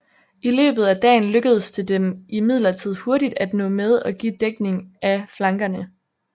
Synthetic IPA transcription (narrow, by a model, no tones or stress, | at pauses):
ilø̰ːb̥ð̞̩ˠæd̥ɛ̰ːɪn̩løɡ̥əð̞ˠəst͡sʰe̝ld̥emimið̞̰ˠlɐt͡sʰið̞̰ˠho̝ɐɾid̥æd̥nɔ̰̽ːmeð̞ˠɒ̽ɡ̥ḭːd̥eɡ̥ne̝ŋæflɑ̈ŋɡ̥ɐnə